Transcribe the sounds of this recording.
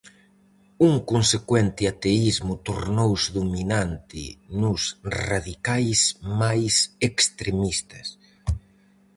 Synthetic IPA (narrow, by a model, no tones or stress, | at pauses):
uŋkonsekwɛnt̪ɪat̪eizmʊt̪oɾnowsðuminant̪ɪ̰nʊsraðikajsmajsekst̪ɾemist̪ɐs